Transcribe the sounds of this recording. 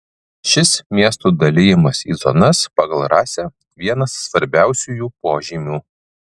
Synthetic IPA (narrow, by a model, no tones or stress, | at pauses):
ʃʲɪsmʲiɛst̪uːd̪ɐlʲɪjɪmɐsḭːzɔnɐspɑɡɐlˠɾɑːsʲɛ | ʋʲiɛnɐsːʋɐɾʲbʲæˑʊsʲuːjuːpoːʒʲimʲuː